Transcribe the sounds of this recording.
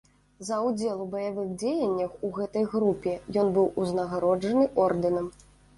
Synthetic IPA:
zɐwd͡zʲelˠubɐjavɨɣd͡zʲejɐnʲːɐxuɣɛt̪ɐjɣɾupʲɛjɔnbɨwuznɐɣaɾɔd͡ʐɐnɨʔɔrd̪ɨnɐm

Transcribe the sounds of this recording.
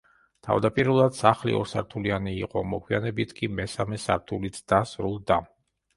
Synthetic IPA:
t̪ʰa̰vd̪apʼiɾlˠad̪̥saχlḭɔ̰ɾsaɾt̪ʰulianiːqʼɔmɔkʰʼwianɛbit̪ʰkʼimɛsamɛsa̰ɾt̪ʰulit̪sd̪asɾulˠd̪a

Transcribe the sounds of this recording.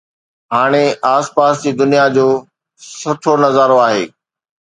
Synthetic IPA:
ɦaːɽ̃eaːspaːsd͡ʑiːd̪ʊnijad͡ʑoː | sɐʈʰonɐzaːɾoaːɦḛː

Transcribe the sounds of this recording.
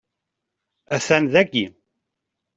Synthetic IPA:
æθænðæɡːi

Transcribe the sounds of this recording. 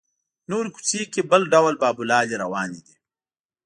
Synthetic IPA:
noːɾiku̥t͡sekebəlɖawlbaːbulɑːliɾawɑːnid̪i

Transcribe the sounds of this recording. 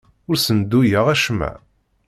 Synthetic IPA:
ʊɾsənd̪ujəʁæʃmæ̰

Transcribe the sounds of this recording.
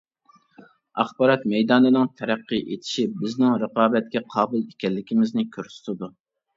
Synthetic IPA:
ɑχbɑːɾɑt̪̚mɛjd̪ɑːnɨnɨŋt̪ʰɛɾæqːɨʔet̪ʰɪ̥ʃibɪznɪŋɾəqɑːbɛt̪̚kʲɛqʰɑːbɨlˠekʲɛlːɪkʲimɪznɪkʲʰøɾsy̥t̪ʰɨd̪u

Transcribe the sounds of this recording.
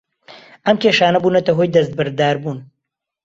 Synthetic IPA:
ɐmkʰeːʃaːnɐbuːnɐt̪ɐɦojd̪ɐst̪̚bɨɾd̪aːɾbuːn

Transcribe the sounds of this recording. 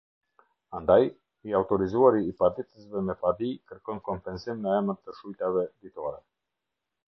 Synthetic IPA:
and̪aj | iaut̪ɔɾizuaɾiːpad̪it̪əsvɛmɛpad̪ikəɾkɔnkɔmpɛnsimnəɛmənt̪əʃujt̪avɛd̪it̪ɔɾɛ

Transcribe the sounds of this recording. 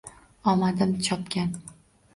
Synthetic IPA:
ɒmad̪ɪmt͡ʃʰɒpkʲan

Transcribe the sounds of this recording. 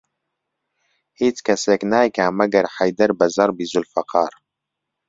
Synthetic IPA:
hiːt͡ʃkʰɐseːknaːjkaːmɐɡɐɾħajd̪ɐɾbɐzɑɾˤbizulfɐqʰɑːɾˤ

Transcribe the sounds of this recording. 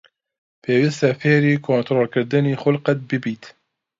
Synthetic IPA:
pʰeːwist̪afeːɾiːkʰoːnt̪ɾoːlkɨɾd̪ɨniːxʊlqɛt̪̚bɨbiːt̪

